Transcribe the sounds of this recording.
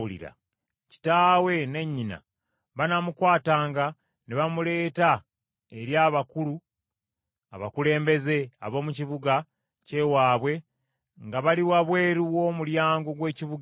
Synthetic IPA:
ulḭɾa̰ | ci̥taːwe̞ne̞ɲːina̰ | βanamukwaːtaːŋɡa | neβamule̞ːta | eɾjaːβakulu | aβakule̞ːmbe̞ze̞a̰βo̞ːmuciβuɡa | ce̞waːβwe̞ | ŋɡaβaliwaβwe̞ːɾiwo̞ːmuljaːŋɡo̞ɡwe̞ːciβuɡ

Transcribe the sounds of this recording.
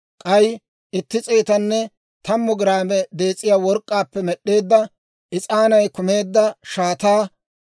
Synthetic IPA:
kʼɐj | ʔɪt̪ːɪt͡sʼeːt̪ɐnːɛ | t̪ɐmːʊɡɪɾaːmɛd̪eːt͡sʼːɪjaːwɔɾkʼːaːpːɛmɛɗːe̞ːd̪ːɐ | ʔɪt͡sʼaːnɐjkʊme̞ːd̪ːɐʃaːt̪aː

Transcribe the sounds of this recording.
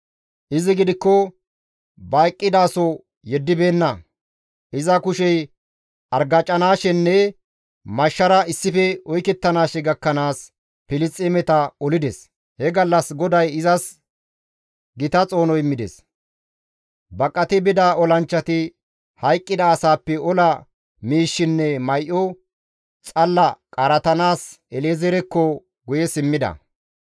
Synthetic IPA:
ʔɪzɪɡɪd̪ɪkːɔ | bɐjkʼːɪd̪aːsɔ | jɛd̪ːɪbeːnːɐ | ʔɪzɐkʊʃɛj | ʔɐɾɡɐt͡ʃʼːɐnaːʃɛnːɛ | mɐʃːɐɾɐɪsːɪfɛɔjkɛt̪ːɐnaːʃɛɡɐkːɐnaːs | pɪlɪst͡sʼɛmɛt̪ɐɔlɪd̪ɛs | hɛɡɐlːɐsɡɔd̪ɐjɪzɐs | ɡɪt̪ɐt͡sʼo̞ːnɔjmːɪd̪ɛ̰s | bɐkʼːɐt̪ɪbɪd̪aːɔlɐnt͡ʃːɐt̪ɪ | hɐjkʼːɪd̪ɐːsaːpːɛɔlɐ | miːʃːɪnːɛmɐjʔɔ | t͡sʼɐlːɐkʼɐɾɐt̪ɐnaːs | ɛleːzɛɾɛkːɔ | ɡʊjɛsɪmːɪd̪ɐ̰

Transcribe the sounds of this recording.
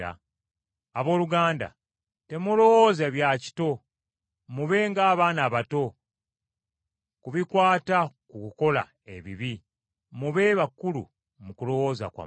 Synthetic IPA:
a̰ | aβo̞ːluɡaːnda̰ | te̞mulo̞wo̞zeβjaci̥to̞ | muβe̞ːŋɡaːβaːnaːβato̞ | kuβikwaːtakukuko̞la̰ | e̞βḭβi | muβe̞ːβakːulṵ | mukulo̞wo̞ːza̰kwa̰

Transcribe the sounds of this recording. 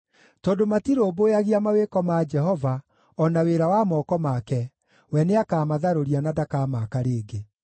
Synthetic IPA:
tɔːdomatiɾoːbojaɣiamawekɔmad͡ʒɛɦɔva | ɔnaweɾawamɔkɔmakɛ | wɛneakaːmaðaɾoɾianadakaːmakaɾeːɡe

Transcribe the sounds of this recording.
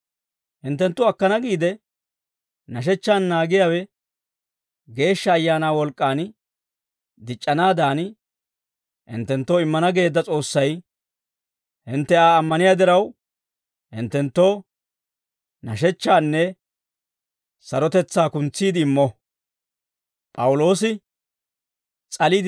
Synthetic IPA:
hɪnt̪ːɛnt̪ːʊɐkːɐnɐɡiːd̪ɛ | nɐʃ̬ɛt͡ʃːaːnːaːɡɪjaːwɛ | ɡe̞ːʃːɐːjːaːnaːwɔlkʼːaːn | d̪ɪt͡ʃʼːɐnaːd̪aːn | hɪ̰nt̪ːɛnt̪ːoɪmːɐnɐɡe̞ːd̪ːɐt͡sʼo̞ːsːɐj | hɪnt̪ːɛaːɐmːɐnɪjaːd̪ɪɾɐw | hɪ̰nt̪ːɛnt̪ːo̞ː | nɐʃɛt͡ʃːaːnːɛ | sɐɾɔt̪ɛt͡sːaːkʊnt͡sːiːd̪ɪɪmːɔ | pʼɐwʊlo̞ːsɪ | t͡sʼɐliːd̪

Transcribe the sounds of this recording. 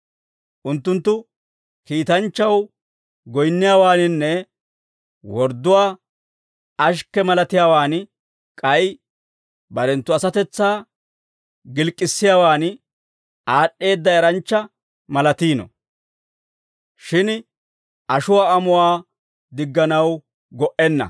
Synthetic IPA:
ʔʊnt̪ːʊnt̪ːʊ | kiːt̪ɐnt͡ʃːɐw | ɡɔjnːɪjaːwaːnɪnːɛ | wɔɾd̪ːʊwaː | ɐʃ̬kːɛmɐlɐt̪ɪjaːwaːn | kʼɐj | bɐɾɛnt̪ːʊɐsɐt̪ɛt͡sːaː | ɡɪlkʼːɪsːɪjaːwaːn | aːɗːe̞ːd̪ːɐɛɾɐnt͡ʃːɐ | mɐlɐt̪iːnɔ̰ | ʃɪn | ʔɐʃʊwaːɐmʊwaː | d̪ɪɡːɐnɐw | ɡɔʔɛnːɐ̰

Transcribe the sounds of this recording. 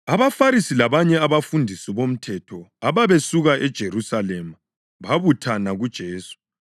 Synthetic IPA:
aβafaɾisilaβaɲɛaβafundʱisiβom̩tʰɛtʰɔaβaβesuɣaʔɛd̥ʒ̥ʱeɾusalɛma | βaβutʰanaɣud̥ʒ̥ʱeːsu̥

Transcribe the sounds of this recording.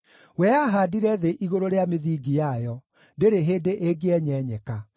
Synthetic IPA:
wɛaɦaːdiɾɛðeʔiɣoɾoɾeameðiːɡijajɔ | deɾeɦeːdeʔeɡeɛɲɛːɲɛka

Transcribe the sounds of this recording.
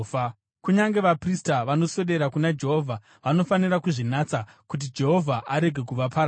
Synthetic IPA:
kuɲaŋɡe̞ʋapristaʋano̞so̞ɗe̞ɾakunad͡ʒeɦoːvʱa | ʋanofanirakuʐinat͡sa | kut̬id͡ʒe̞ɦo̞vʱaʔaɾe̞ɡʱe̞kuʋapʰa

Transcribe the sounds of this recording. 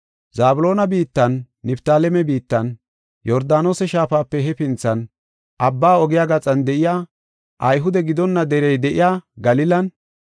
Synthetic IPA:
zaːbʊlo̞ːnɐbiːt̪ːɐnː | ɪpt̪aːlɛmɛbiːt̪ːɐn | jɔɾd̪aːno̞ːsɛʃaːfaːpːɛɦɛpɪnt͡sːɐn | ʔɐbːaːɔɡɪjaːɡɐt͡sʼɐnd̪ɛʔɪjaː | ʔɐjɦʊd̪ɛɡɪd̪ɔnːɐd̪ɛɾɛjd̪ɛʔɪjaːɡɐlɪlɐn

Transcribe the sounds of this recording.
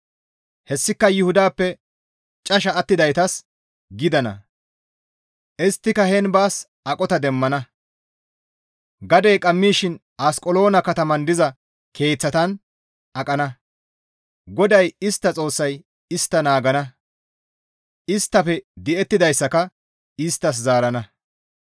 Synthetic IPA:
hɛsːɪkːɐjʊhʊd̪aːpːɛ | t͡ʃʼɐʃɐːt̪ːɪd̪ɐjt̪ɐs | ɡɪd̪ɐnɐ̰ | ʔɪst̪ːɪkɐhɛnbaːs | ʔɐkʼɔt̪ɐd̪ɛmːɐnɐ | ɡɐd̪e̞ːkʼɐmːiːʃɪn | aːskʼɔlo̞ːnɐkɐt̪ɐmɐnd̪ɪzɐ | kʰe̞ːt͡sːɐt̪ɐn | ɐkʼɐnɐ | ɡɔd̪ɐjɪst̪ːɐt͡sʼo̞ːsːɐj | ɪst̪ːɐnaːɡɐnɐ | ɪst̪ːɐfɛd̪ɪʔɛt̪ːɪd̪ɐjsːɐkɐ | ɪst̪ːɐs̬zaːɾɐnɐ

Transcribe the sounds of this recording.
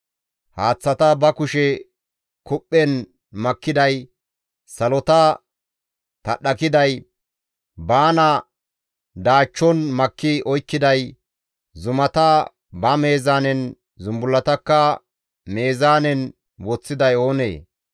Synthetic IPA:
haːt͡sːɐt̪ɐbɐkʊʃɛ | kʊpʼːɛn | mɐkːɪd̪ɐj | sɐlɔt̪ɐ | t̪ɐɗɐkɪd̪ɐj | baːnɐ | d̪aːt͡ʃːɔnmɐkːɪɔjkːɪd̪ɐj | zʊmɐt̪ɐ | bɐme̞ːzaːnɛn | zʊmbʊlːɐt̪ɐkːɐ | me̞ːzaːnɛn | wɔt͡sːɪd̪ɐjo̞ːnḛː

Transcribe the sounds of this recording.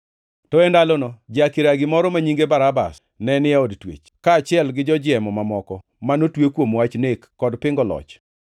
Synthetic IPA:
tɔendalonɔd͡ʒakɪɾaɡɪmɔɾɔmaɲiŋɡebaɾaba̰s | nɛnɪaodtwḛt͡ʃkaːt͡ʃɪɛlɡɪd͡ʒɔd͡ʒɪɛmɔmamɔkɔ | manotwekwomwat͡ʃnekːɔdpɪŋɡɔlɔ̰t͡ʃ

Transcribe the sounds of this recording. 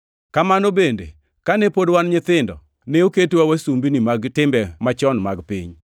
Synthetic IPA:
kamanobende | kanepodwanɲɪt̪ɪndɔ̰ | neoketwawasumbinimaɡtɪmbɛmat͡ʃɔnmaɡpḭɲ

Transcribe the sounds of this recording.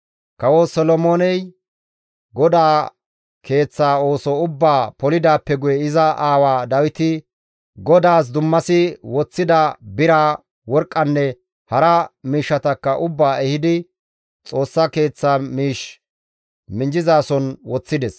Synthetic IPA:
kɐwɔsɔlɔmoːnɛj | ɡɔd̪aː | kʰe̞ːt͡sːaːo̞ːsɔʊbːaːpɔlɪd̪aːpːɛɡʊjɛɪzɐʔaːwaːd̪ɐwɪt̪ɪ | ɡɔd̪aːs̬d̪ʊmːɐsɪwɔt͡sːɪd̪ɐbɪɾaː | wɔɾkʼːɐnːɛ | hɐɾɐmiːʃːɐt̪ɐkːɐʔʊbːaːɛhɪd̪ɪ | t͡sʼo̞ːsːɐke̞ːt͡sːaːmiːʃ | mɪnd͡ʒɪzaːsɔnwɔt͡sːɪd̪ɛs

